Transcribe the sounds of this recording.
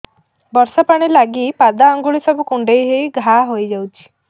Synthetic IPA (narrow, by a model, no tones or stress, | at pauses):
bɔɾsɔpaɽ̃ilaɡipad̪aːŋɡuɭisɔbukuɳɖejɦejɡʱaɦojd͡ʒawt͡ʃʰi̥